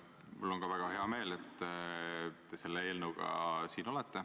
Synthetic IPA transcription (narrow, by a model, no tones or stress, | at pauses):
mulːo̞ŋkɑvæɡ̥ɑɦe̞ɑme̞ːlet̪ːˑ | t̪e̞se̞lːeeːlnuɡ̥ɑ̰siːno̞let̪ːˑe̞